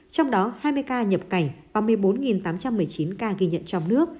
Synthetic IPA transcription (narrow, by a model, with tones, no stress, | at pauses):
t͡ɕɔ˧wŋ͡mɗɔ˨˦haː˧jmɨ˧əjkaː˧ɲə˨˩p̚ka˧˩jŋ̟vaː˨˩wmɨ˨˩əjɓo˨˦nŋi˨˩nt̪aː˨˦mt͡ɕa˧mːɨ˨˩əjt͡ɕi˨˦nkaː˧ɣi˧ɲə̰˧˨nt͡ɕɔ˧wŋ͡mnɨ˦˥ək̚